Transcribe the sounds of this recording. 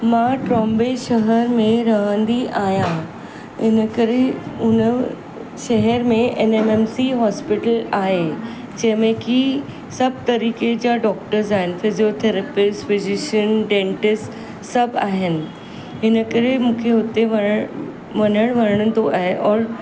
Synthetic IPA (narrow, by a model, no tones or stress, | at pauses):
mãʈɾɔ̃ːmbeʃɐɦəɾmẽɾɐɦə̃nd̪iʔaːɦijã | ɪnəkɐɾeʊnə | ʃɐɦəɾmẽʔenemeːmsiɦɔːspɪʈəlaːɦe | d͡ʑɐ̃ɦɪ̃mẽki | sɐb̚ʱt̪ɐɾiːked͡ʑaɖɔːk̚ʈəɾzaːɦɪnɪ̆fɪzijot̪ʰeɾəpɪsʈfɪzɪʃənɖẽːɳʈɪsʈ | sɐbʱaːɦɪnɪ̆ | ɦɪnəkɐɾemũːkʰeɦʊt̪eʋɐ | ʋɐnəɽ̃ʋɐɾəɽ̃ə̃nd̪oʔaːɦeʔɔːɾ